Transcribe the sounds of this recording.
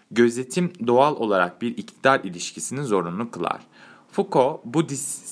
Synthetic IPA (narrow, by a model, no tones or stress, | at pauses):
ɟø̞zʲe̞t̪ʰimd̪oalˠo̞̰lˠaɾak̚biɾict̪ʰid̪aɾilʲiʃcʰisinizo̞ɾunˠukʰɯlˠa̰ɾ̥ | fukʰobud̪is